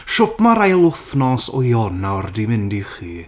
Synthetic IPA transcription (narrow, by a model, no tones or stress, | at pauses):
ʃɔpmaɾajlˠʊfnɔsɔ̰jɔnardimɪndiχiː